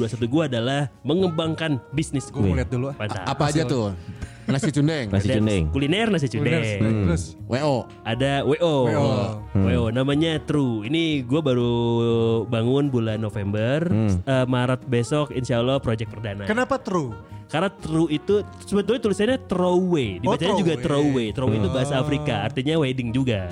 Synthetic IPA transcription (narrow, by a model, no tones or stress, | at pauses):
duasat̪̬uɡuaːdalahməŋəbaŋkanbisnɪsɛt̪̚dulupant̪a̰apaːd͡ʒat̪ʊ | nasit͡ʃundɛŋnasit͡ʃudɛŋkulinɛrnas̬it͡ʃudɛswʔeʔo | adaweʔo | weonamaɲat̪ɾuiniɡuabaɾu | baŋʊnbulanːofɛmbərəmaɾat̪̚besɔkinʃalɔhpɾod͡ʒɛk̚pərdanakənapat̪ɾukarnat̪ɾuit̪u | subat̪uwɛt̪ulisanɲat̪ɾowediat͡ʃaɲad͡ʒuɡat̪ɾowet̪ɾoweit̪ubaɦasaːfɾikaːrt̪iɲawedɪŋd͡ʒuɡa